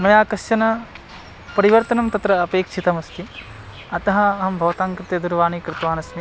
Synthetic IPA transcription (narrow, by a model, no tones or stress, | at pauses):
mɐjaːkɐʃɐnɐ | pɐɾiʋɐɾt̪ɐnɐmt̪ɐt̪ɾɐːpeːkʂʰit̪ɐmɐst̪ʰi | ɐt̪ɐɦɐɐɦɐmbʱɐʋɐt̪aːŋkɾɪt̪ed̪uɾʋaːnikɾɪt̪ʋaːnɐsmi